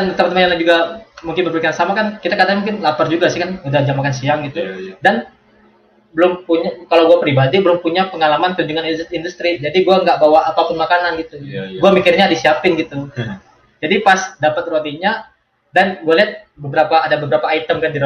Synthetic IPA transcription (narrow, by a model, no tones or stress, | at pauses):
dant̪əmant̪əmajaŋlad͡ʒuɡamuŋkɪnməbəɾikansamakankit̪akadaŋmuŋkɪnlapard͡ʒuɡasɪhkanudahd͡ʒamakansiaŋɡit̪udan | bəlʊmpuɲakalawɡuapɾibadibəlʊmpuɲapəŋalamant̪uɲd͡ʒuŋanːndust̪ɾid͡ʒadiɡuaŋɡaʔbawaapapʊnmakananɡit̪uɡuamikɪrɲadisiapɪnɡit̪u | d͡ʒadipasdapat̪̚ɾuat̪iɲa | danɡualiɦat̪̚bəbəɾapaːdabəbəɾapaːit̪əmkandiɾ